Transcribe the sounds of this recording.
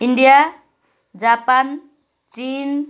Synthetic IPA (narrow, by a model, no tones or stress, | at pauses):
inɖija | d͡ʒapan | t͡ʃin